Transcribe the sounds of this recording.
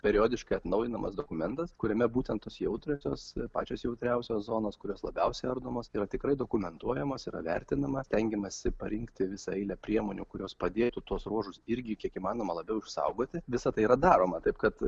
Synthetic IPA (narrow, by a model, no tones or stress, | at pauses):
pʲɛɾʲɪjoːd̪ʲɪʃkɐɪɐt̪nɐʊjɪnɐmʔɐ̰sd̪oːkʊmʲɛnt̪ɐskʊɾʲɛmʲɛbuːt̪ʲɛnt̪oːsjɛʊt̪ʲɾʲoːsʲoːspɑ̰ːt͡ʃʲoːsjɛʊt̪ʲɾʲɛʊsʲoːszoːnoːskʊɾʲoːslˠɐbʲɛʊsʲɛɪɐrd̪oːmoːsiːɾɐt̪ʲɪkɾɐɪd̪oːkʊmʲɛnt̪uɔjɛmoːsḭɾɐ̰ʋʲɛ̰ɾʲt̪ʲɪnɐmɐsʲt̪ʲɛŋʲɡʲɛmɐsʲɪpɐɾʲɪŋkt̪ʲɪʋʲɪsɐɐɪlʲɛpʲɾʲiɛmoːnʲukʊɾʲoːspɐd̪ʲeːjt̪ʊt̪uɔsruɔʒʊsɪɾʲɡʲɪkʲiɛkimɑːnoːmɐlˠɐbʲɛʊɪʃsɐ̰ʊɡoːt̪ʲɪʋʲɪsɐt̪ɐɪiɾɐd̪ɑːɾoːmɐt̪ɐɪpkɐt̪